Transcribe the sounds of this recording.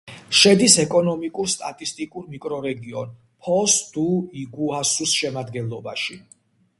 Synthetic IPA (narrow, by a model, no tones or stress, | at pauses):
ʃɛd̪isɛkʼɔnɔmikʼuɾst̪ʼat̪ʼist̪ʼikʼuɾmikʼɾɔɾɛɡiɔn | pʰɔsd̪̥uiɡuasusʃɛmad̪ɡɛnlˠɔbaʃi